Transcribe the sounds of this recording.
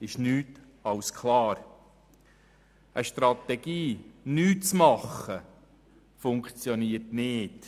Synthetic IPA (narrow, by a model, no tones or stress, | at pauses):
ɪʃnyːt | ɑwskʰχlɑːɾ | ʔəʃtɾɑt̪ɛɡ̥iːnyːtt͡smɑχːə | fʊŋkt͡sjɔniːətnɪːd̥